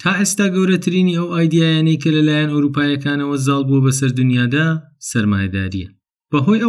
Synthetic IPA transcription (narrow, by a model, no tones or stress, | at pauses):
t̪ʰaːʔest̪aːɡɐwɾɐt̪ʰɨɾiniːɐwaːjd̪ijaːjaːnɐjkʰɐlɐlaːjɐnowɾuːpaːjɐkʰaːnɐwɐzɑːlˠbuwɐbɐsɐɾd̪unjaːd̪aːsɐɾma̰ːjɐd̪a̰ːɾḭjɛ | b̥ɐɦoːjɐ